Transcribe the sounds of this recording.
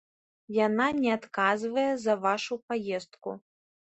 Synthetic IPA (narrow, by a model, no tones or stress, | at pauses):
jananʲɛat̪kazvɐjɛzɐvaʂupajɛst̪̚kṵ